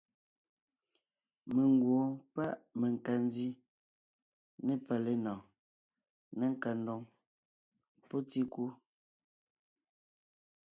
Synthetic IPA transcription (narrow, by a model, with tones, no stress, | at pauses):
me˨ŋ˨ɡwo˨˦pa˦˨ʔme˨ŋ˨ka˨n˦zi˦ | ne˦pa˨le˦nɔ˨ | ne˦ŋ̩˨ka˨n˦do˨ŋ | po˦ti˦ku˦